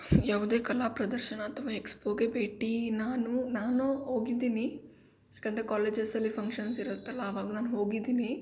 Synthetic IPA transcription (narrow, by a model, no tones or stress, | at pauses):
jaːʋud̪e̞ːkɐlaːpɾɐd̪ɐɾʃɐnɐːt̪ʰɐʋaːekspoːɡebeːʈinaːnunaːnoɦoːɡid̪iːni | jaːkɐnd̪ɐɾekaːleːd͡ʒesɐlːipʰɐŋkʃɐnsiɾɐt̪ːɐlːɐːʋaːɡɐnaːnuɦo̞ːɡid̪iːni